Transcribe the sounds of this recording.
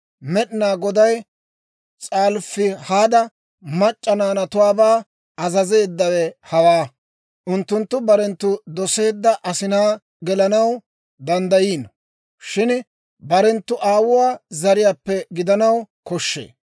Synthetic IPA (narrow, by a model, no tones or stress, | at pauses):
mɛɗɪnaːɡɔd̪ɐj | t͡sʼaːlfːɪhaːd̪ɐ | mɐt͡ʃʼːɐnaːnɐt̪ʊwaːbaː | ɐzɐze̞ːd̪ːɐwɛhɐwaː | ʔʊnt̪ːʊnt̪ːʊbɐɾɛnt̪ːʊd̪ɔse̞ːd̪ːɐʔɐsɪnaː | ɡɛlɐnɐw | d̪ɐnd̪ɐjiːn | ʃɪn | bɐɾɛnt̪ːʊʔaːwʊwaːzɐɾɪjaːpːɛɡɪd̪ɐnɐwkɔʃːḛː